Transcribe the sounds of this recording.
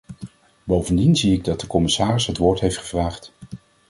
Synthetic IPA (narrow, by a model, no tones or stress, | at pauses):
bowvəndinziɪɡ̚dɑt̚dəkɔmɪsaːrɪsɦətʋʊːɹtɦejftχəv̥raːχt